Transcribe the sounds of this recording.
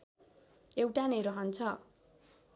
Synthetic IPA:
ewʈaneɾʌɦʌnt͡sʰʌ

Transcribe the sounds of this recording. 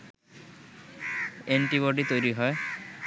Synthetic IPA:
eɳʈiβoɖit̪ojɾiɦɔe

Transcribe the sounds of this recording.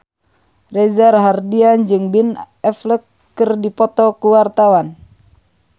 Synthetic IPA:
rɛzarɦardiand͡ʒɨŋbin | ɛfləkː | ɨrdipɔt̪ɔkuwart̪awan

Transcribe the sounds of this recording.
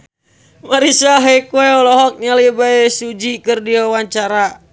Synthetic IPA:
maɾisaɦekuɛɔlɔɦɔk̚ɲalibaɛsud͡ʒikɨrdiawaɲt͡ʃaɾa

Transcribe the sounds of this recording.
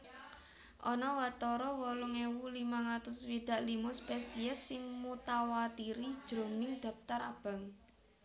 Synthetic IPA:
ʔɔnɔwat̪ɔɾɔwɔlʊŋewulimaŋat̪ʊswid̪̥a̤ʔlimɔspɛsiɛsːɪŋmut̪awat̪iɾid̥ʒ̥ɾo̤nɪŋd̪̥a̤p̚t̪aɾab̥a̤ŋ

